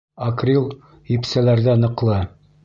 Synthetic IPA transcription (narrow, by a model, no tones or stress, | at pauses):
ɐkrʲilˠ | hipsælæɾðænɤ̆qlˠɤ